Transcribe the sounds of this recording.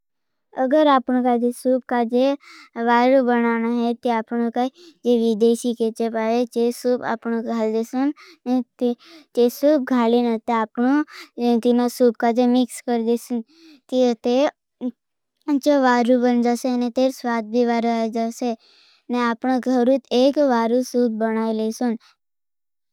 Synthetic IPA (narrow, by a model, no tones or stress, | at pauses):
əɡəɾaːpnõkad͡ʒesub̚kad͡ʒeʋaːɾubənanaɦet̪iaːpnokad͡ʒeʋid̪eːʃiket͡ʃepaet͡ʃesuːba̰ːpñõɡʱaːld̪esun | net̪it͡ʃesuːb̚ɡʱaːlinat̪eaːpɳut̪inãsub̚kad͡ʒemɪkskəɾd̪esun | t̪iət̪e | t͡ʃeʋaːɾubənd͡ʒaseənet̪eːɾsʋaːt̪̚bʱiʋaːɾad͡ʒase | neaːpɳõɡʱəɾut̪ekʋaːɾusuːb̚bənaːilesun